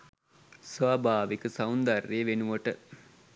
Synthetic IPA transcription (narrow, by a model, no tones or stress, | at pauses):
sʋaːbʱaːʋikəsawnd̪arːeːʋenuʋəʈə